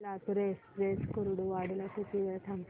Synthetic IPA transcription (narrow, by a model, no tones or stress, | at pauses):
lat̪ɾesɾeskəɾuɽuʋaɽlak̪it̪iʋɛʈʰam